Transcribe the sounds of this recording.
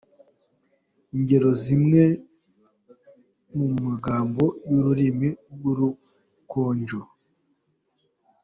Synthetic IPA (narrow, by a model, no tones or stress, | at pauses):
iɲɟe̞ɾo̞zimŋe̞ | mumaɡaːmbo̞juɾuɾimiɡuɾu | kʰoːɲɟo